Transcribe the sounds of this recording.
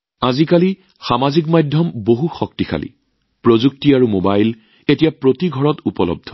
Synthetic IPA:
azikali | xamazikmajdʱjɔmboɦuxɔktixa̰lḭ | pɹozuk̚tiaɹumobajl | etijapɹotiɡʱɔɹɔtupɔlɔ̰b̚dʱɔ

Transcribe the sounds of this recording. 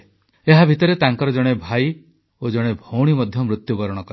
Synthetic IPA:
eɦabʱit̪ɔɾet̪aŋkɔɾɔd͡ʒɔɽ̃ebʱaj | od͡ʒɔɽ̃ebʱowɽ̃imɔd̪ʱjɔmɾut̪jubɔɾɔɽ̃ɔkɔɾ

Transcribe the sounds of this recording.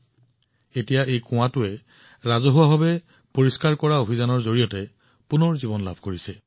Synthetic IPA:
etijaʔejkʊ̃w̃atʊɛ | ɹazɔɦʊwababɛ | poɹiskaɹkɔɹaobʱizanɔɹzoɹijɔtɛ | punɔɹzibɔnla̰bʱkoɹisɛ

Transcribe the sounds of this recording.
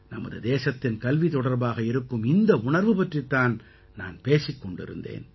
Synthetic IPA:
nɐmɐðɯd̪eːsɐt̪ːɪnkɐlʋit̪ɔɽɐɾbaːɣɐɪɾɯkːɯmɪnd̪ɐʊɳɐɾʋɯpɐʈrit̪ːaːn | naːnpeːsɪkːɔɳɖɪ̰ɾɯ̰nd̪ḛːn

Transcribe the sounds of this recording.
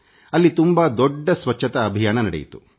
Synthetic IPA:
ɐlːit̪umbɐd̪ɔɖːɐsʋɐt͡ʃʰːɐt̪ɐːbʱijaːnɐnɐɽḛjit̪u̥

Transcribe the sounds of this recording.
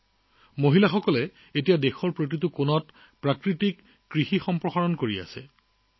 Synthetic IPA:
moɦilaxɔkɔlɛ | etijadexɔɹpɹot̬itʊkonɔt | pɹakɹitikː | ɹixixɔmpɹɔxaɹɔnkoɹia̰sɛ̰

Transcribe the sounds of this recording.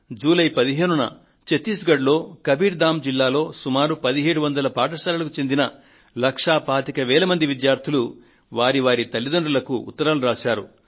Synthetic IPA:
d͡ʒuːlɐjpɐd̪iɦe̞ːnunɐ̰ | t͡ʃet̪iːsɡɐɖlo̞ːkɐbiːɾd̪aːmd͡ʒilːaːlo̞ːsumaːɾupɐd̪iɦe̞ːɽuʋɐnd̪ɐlɐpaːʈ̬ɐsaːlɐlɐkut͡ʃe̞nd̪inɐ | lɐkʂaːpaːt̪ikɐʋɛːlɐmɐnd̪iʋid̪jaːɾt̪ʰilu | ʋaːɾiʋaːɾit̪ɐlːid̪oɳɖɐlɐkṵːt̪ːɐɾaːluɾaːʃaːɾṵ

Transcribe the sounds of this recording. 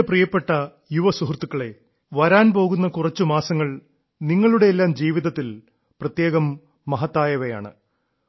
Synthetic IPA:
prijɐpːe̞ʈːɐ | juʋɐsuɦrt̪ːukːɐɭe̞ | ʋɐɾaːnpo̞ːɣunːɐkurɐt͡ɕːumaːsɐŋːɐɭ | niŋːɐɭuɽe̞ːlːaːmd͡ʑiːʋiðɐt̪ːil | prɐt̪je̞ːɣɐmː | ɐɦɐt̪ːaːjɐʋɐja̰ːɳɨ̰

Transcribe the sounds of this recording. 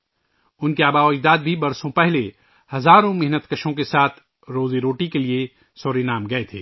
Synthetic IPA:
ʊnkeaːbaːoːd͡ʒd̪aːd̪̚bʱibɐɾsõpɛɦle | hɐzaːɾõmɪɦnət̪kɐʃõkesaːt̪ʰ | ɾoːzeɾoːʈikelie | sɔːɾenaːmɡɐet̪ʰḛː

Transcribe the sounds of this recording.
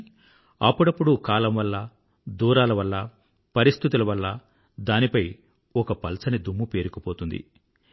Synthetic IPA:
ɐ̰pːuɽɐpːuɽukaːlɐmʋɐlːɐ | d̪uːɾaːlɐʋɐlːɐ | pɐɾist̪ʰit̪ulɐʋɐlːɐ | d̪aːnipɐj | ɔkɐpɐlsɐnid̪umːupe̞ːɾukɐpoːt̪und̪ḭ

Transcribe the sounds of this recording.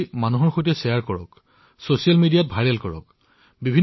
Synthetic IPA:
manuɦɔɹxojtɛsɛjaɹkɔɹɔk | sosialmidijat̚bʱajɹɛlkɔɹɔ̰k̚ | bibʱin

